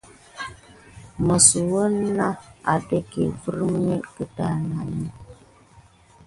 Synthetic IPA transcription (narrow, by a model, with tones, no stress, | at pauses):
mə˨su˨wə˦na˦a˨tə˦kḛ˨və˦ɾm˦ə˦kə˨ta˦˨na˨ni˦